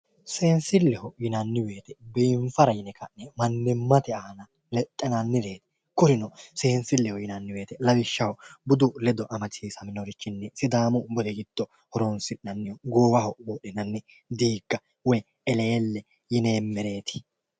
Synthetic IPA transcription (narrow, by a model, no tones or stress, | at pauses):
se̞ːnsɪlːɛhɔjɪnɐnːɪwe̞ːt̪ɛbiːɱfɐɾɐjɪnɛkɐnːɛmɐnːɪmːɐt̪ɛaːnɐ | lɛt̪ʼːɛnɐnːɪd̪e̞ːt̪ɛ̥ | kʊɾɪnɔse̞ːnsɪlːɛhɔjɪnɐnːɪwe̞ːt̪ɛlɐwɪʃːɐhɔbʊd̪ʊlɛd̪ɔʔɐmɐt͡ʃiːsɐmɪnɔɾɪt͡ʃːɪnːɛsɪd̪aːmʊbɔd̪ɛɡɪd̪̥ːɔ | hɔɾɔnsɪʔnɐnːɪɔɡoːwɐhɔbɔɗɪnɐnːɛ | d̪iːɡːɐ | wɔj | ɛleːlːɛ | jɪneːmːɛɾe̞ːt̪ɪ̥